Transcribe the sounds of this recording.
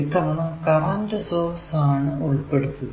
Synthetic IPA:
it̪ːɐʋɐnakɐrɐndɐsoːsaːɳɨuɭpeɽut̪ːu

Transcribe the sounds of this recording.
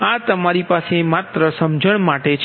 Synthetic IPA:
ãt̪əmaɾipasemat̪ɾəsəmd͡ʒəɳ̃maʈet͡ʃʰ

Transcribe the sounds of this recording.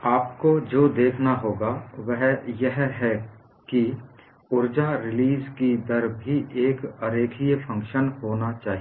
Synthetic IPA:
aːpkod͡ʒoːd̪eːkʰnaɦoːɡaʋɛɦjɛɦɦɛ | ki | ʊɾd͡ʒaɾɪliːzkid̪ɐɾbʱiʔeːkɐɾeːkʰijəfʰɐ̃ŋkʃənhoːnat͡ʃaːɦi

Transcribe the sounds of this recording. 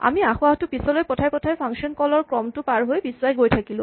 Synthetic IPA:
a̰miaxʊahtʊpisɔlojpɔtʰajpɔtʰajpʰaŋksiɔnkɔlɔɹkɹɔmtʊpaɹɦojbiswajɡojtʰakilʊ̰̃

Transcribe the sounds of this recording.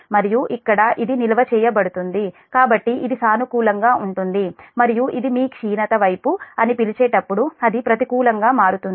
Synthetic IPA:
mɐɾijuʔikːɐɽɐʔid̪inilɐʋɐt͡ʃɛːjɐbɐɽut̪und̪ikaːbɐʈːiʔid̪isaːnukuːlɐŋɡaːuɳʈund̪imɐɾijuʔid̪imiːkʂiːnɐt̪ɐʋɐjpuɐnipilit͡ʃɛːʈɐpːuɽuɐd̪ipɾɐt̪ikuːlɐŋɡaːmaːɾut̪und̪i

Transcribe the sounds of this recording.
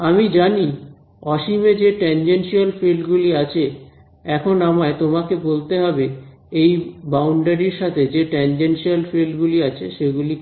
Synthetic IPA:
amid͡ʑani | ɔʃimed͡ʑeʈend͡ʑenʃialfelɖɡuliat͡ɕʰe | ɛkʰonamaet̪omakebolt̪eɦɔbe | ejbawɳɖaɾiɾʃat̪ʰed͡ʑeʈend͡ʑenʃialfelɖɡuliat͡ɕʰeʃeɡuli

